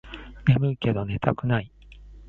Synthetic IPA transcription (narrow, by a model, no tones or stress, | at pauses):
me̞mɯ̟ike̞d̪o̞ne̞t̪akɯ̟nai